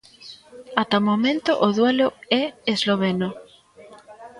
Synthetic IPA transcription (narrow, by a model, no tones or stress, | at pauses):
at̪amomẽnt̪ʊʔoðweloɛezloβ̞eno